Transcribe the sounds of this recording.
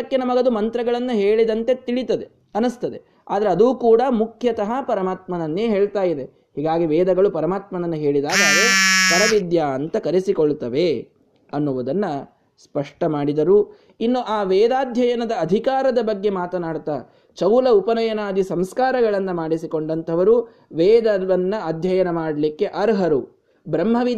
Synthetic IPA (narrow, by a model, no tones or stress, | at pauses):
ɐkːenɐmɐɡɐd̪umɐnt̪ɾɐɡɐɭɐnːɐɦe̞ːɭid̪ɐnt̪et̪iɭit̪ɐd̪e̞ | ɐnɐst̪ɐd̪e̞ | a̰ːd̪ɐɾeɐd̪uːkuːɽɐmukʰjɐt̪ɐɦɐpɐɾɐmaːt̪mɐnɐnːeːɦe̞ːɭt̪aːjid̪e | ɦiːɡaːɡiʋɛːd̪ɐɡɐɭupɐɾɐmaːt̪mɐnɐnːɐɦeːɭid̪aːɡaːɡ̪ɐk̪ɐɾɐʋid̪jaːɐnt̪ɐkɐɾisikoɭt̪ɐʋe̞ | ɐnːuʋɐd̪ɐnːɐ | spɐʂʈɐmaːɽid̪ɐɾu | inːuʔaːʋɛːd̪aːd̪ʱjɐjɐnɐd̪ɐːd̪ʱikaːɾɐd̪ɐbɐɡːe̞maːt̪ɐnaːɽt̪aː | t͡ʃɐwlɐupɐnɐjɐnaːd̪isɐmskaːɾɐɡɐɭɐnːɐmaːɽisiko̞ɳɖɐnt̪ʰɐʋɐɾu | ʋɛːd̪ɐʋɐnːɐɐd̪ʱjɐjɐnɐmaːɽɐlikːe̞ʔɐɾɦɐɾu | bɾɐmːɦɐʋi